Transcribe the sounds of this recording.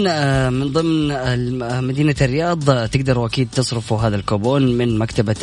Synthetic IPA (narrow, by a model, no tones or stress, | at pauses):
mɪnðˤɨmn | mad̪iːnarːɪjɑːðˤt̪ɪɡ̚d̪ɑɾˤwʔakiːd̪̚t̪ɨsˤɾɪfuɦaːðalkoːboːnmɪnmakt̪aba